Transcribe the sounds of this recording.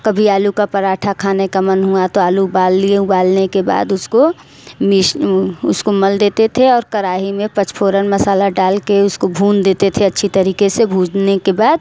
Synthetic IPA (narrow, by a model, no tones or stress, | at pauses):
kɐbʱiaːlukapɐɾaːʈʰakʰaːnekamənɦuat̪oaːlubaːlibaːlnekeba̰ːd̪ʊsko | mɪʃʊskomɐld̪eːt̪et̪ʰeɔːɾkəɾaːɦimẽpət͡ʃpʰoːɾənmɐsaːlaɖaːlkeʊskobʱuːnd̪eːt̪et̪ʰeɐtːʃʰit̪əɾiːkesebʱuːd͡ʒnekebaːd̪